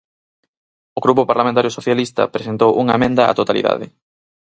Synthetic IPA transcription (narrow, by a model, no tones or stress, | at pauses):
oɣɾupopaɾlamẽnt̪aɾjosoθjalist̪ɐ̰pɾesent̪owʔuŋamẽnd̪ɐa̰t̪ot̪alḭða̰ðɪ